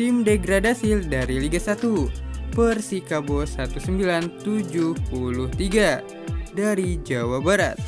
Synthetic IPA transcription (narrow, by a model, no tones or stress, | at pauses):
t̪imdeɡɾadasildaɾiliɡasat̪upərsikabosat̪usəmbilant̪ud͡ʒuhpuluht̪iɡa | daɾid͡ʒawabaɾa̰t̪̚